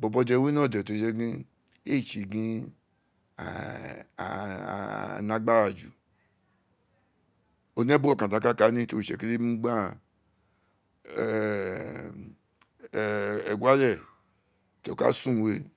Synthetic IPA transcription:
bɔ˨bɔ˧dɛ˧˨we˦nɔ̃˦˨dɛ˨to˨d͡ʒɛ˦ɡĩ˦ | e˦˨t͡ʃi˨ɡĩ˦ | a̰˨ | nã˨˦ɡ͡ba˦ɾa˨d͡ʒṵ˨ | o˨nɛ˦bo˦ɔ˦kã˨da˨˦ka˦ka˨˦nĩ˦to˨ʃɛ̰˨ke˦le˦mĩ˦ɡ͡ba˦˨ | ɛ˨ɡʷa˦lɛ˦˨ | to˨ka̰˦sũ˦˨we˦

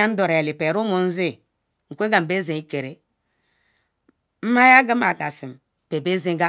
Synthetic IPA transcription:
a˦n̩˦dɔ˨ɾe˨li˨pe˨ɾu˦mu˨n̩˦zi˦ | ŋ̩˨kʷe˦ɡa˨m̩˨be˦ze˨i˦ke˨ɾe˨ | m̩˦ma˦ja˦ɡa˦m˦a˨ɡa˨si˨m˨pe˨be˦ze˦ɡa˦

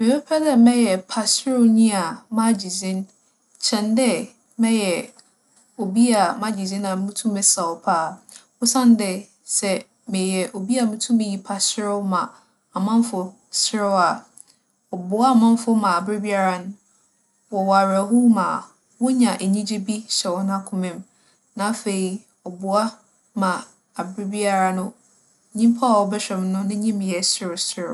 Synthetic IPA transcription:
mɪ̃˨pʰɛ˦pʰɛ˦dɛ˦mɛ̃˦jɛ˨pʰa˨sɪ˦ɾʊ˦ɲĩ˦a˨mã˦˨d͡ʑi˨zĩ˦n | t͡ɕʰɛ̃˨ndɛ˦ | mɛ̃˦jɛ˨ | o˨bi˦a˨mã˦d͡ʑi˨zĩ˦nã˨mũ˦tʰũ˦mɛ̃˨sa˨ɔ˨pʰaː˦˨wʊ˦sã˦n˦dɛ˨ | sɛ˨ | mɪ̃˨jɛ˨ʔo˨bi˦a˨mũ˦tʰũ˦mɪ̃˦ji˨pʰa˨sɪ˦ɾʊ˦mã˨ | a˨mã˦m˦fʊ˨ | sɪ˦ɾʊ˦a˨ | ɔ˨bʊ˨a˦a˨mã˦m˦fʊ˦mã˨a˨bɾɪ˦bi˦a˦ɾa˨nʊ̃˦ | wɔ˨wa˨ɾæ˨ɦʊ˦mã̰˨ | wɔ˦ɲã˨ʔe˨ɲĩ˦d͡ʑi˦bi˦ɕɛ˨wɔ˦nã˦kʰʊ̃˨mɪ̃˦m | nã˨˦fe˨i˨ | ɔ˨bʊ˨a˦ | mã˨ | a˨bɾɪ˦bi˦a˦ɾa˨nʊ̃˦˨ | ɲĩ˦m˦pʰa˦a˨wɔ˨bɛ˦ɕᶣɛ˨m˨˦nʊ̃˦nɪ̃˦ɲĩ˦m̃˨jɛ˨sɪ˦ɾʊ˨sɪ˦ɾʊ˨

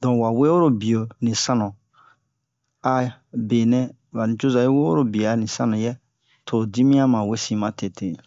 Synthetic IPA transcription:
dɔ̃˨wa˨we˦o˦ɾo˦bi˨o˨nĩ˨sã˦nɔ̃˨ | a˨be˨nɛ̃˦ | wa˨nĩ˨t͡ʃo˦za˨je˦we˦o˦ɾo˦bi˨a˨nĩ˨sã˦nɔ̃˨jɛ˦ | tʰo˨di˦mĩ˦ã˦mã˨we˦sĩ˨mã˨te˨te˨

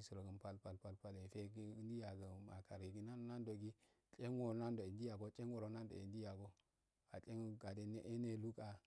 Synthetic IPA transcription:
i˦su˨ɾo˨ɡə˨npa˦˨lpa˨lpa˨lpa˦le˨fe˦ɡɡi˦n˦di˦ja˨ɡə˨ma̰˨ka˨ɾe˨ɡi˦na˦no˦na˦ndo˨ɡi˦ | t͡ʃʼe˦ŋwo˨na˦ndo˨i˨ndi˦ja˨ɡo˦t͡ʃʼe˦ŋwo˨ɾo˨˦na˦ndo̰˨i˨ndi˦ja˨ɡo˦ | a˨t͡ʃʼe˦ŋ˦ɡa˨de˦ne˦ʔe˦ne˦lu˦ka˨

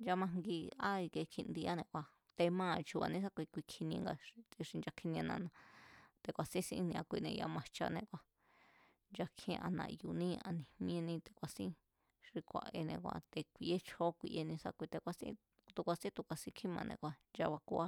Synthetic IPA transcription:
nd͡ʒa˧mã˧ŋɡi˧a˦i˧ke˧kʰĩ˧nd̪i˧a˦nẽ˧kʷa˧ | t̪e˧mãː˦˨t͡ʃu˧βa̰˧nĩ˦s̬a˦kʷi˧kʷi˧kʰi˧nĩ˧ŋɡa˧i˧ʂi˧nd͡ʒa˧kʰi˧nĩ˧a˧nã̰˧nã˧t̪e˧kʷa˨sĩ˦sḭ̃˧˦˧nĩ˧ã˧kʷi˧nẽ˧a̰˧mã˧t͡ʃa̰˧nẽ˧kʷa˧ | nd͡ʒa˧kʰḭ̃˧˦˧ʔa̰˧nã̰˧ju˧nĩ˦a˧nĩ˨mĩ˦˧nĩ˧t̪e̥˧kʷa˧sḭ̃˦ | ʂi˧kʷa̰˧ʔe˧nḛ̃˧kʷa̰˧t̪e˧kʷi˧ʔe˦t͡ʃʰo˦kʷḭ˧ʔe˧nĩ˧sa̰˧kʷi˧t̪e˧kʷa˧sḭ̃˦ | t̪u˧kʷa˧sĩ˦t̪u˧kʷa˧sĩ˦kʰĩ˦mã˧nʔḛ̃˧kʷa˧nd͡ʒa˧βa˧kṵ˧ʔa˦

